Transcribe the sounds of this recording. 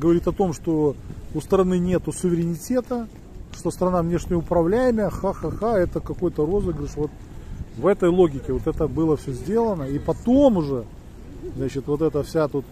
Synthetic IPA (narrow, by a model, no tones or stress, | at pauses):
ɡəvɐɾʲit̪ʲɐt̪o̞mʂt̪o̞ʊst̪əɾɐnɨnʲe̞t̪ʊsʊvʲɪɾʲɪnʲɪtʲe̞t̪ə | ʂt̪ost̪əɾɐnavnʲe̞ʂnʲɪjəʊpɾɐvlʲæjɪməjəxaxaxaɛt̪əkɐko̞jt̪əro̞zɨɡɾʲɪʂvo̞t̪̚ | vɛt̪əjlˠoɡʲɪkʲɪvo̞t̪ɛt̪əbɨlˠəfsʲɵzʲdʲe̞lˠənəipɐt̪o̞mʊʐɛ | znat͡ɕɪt̪vo̞t̪ɛt̪əfsʲat̪ut̪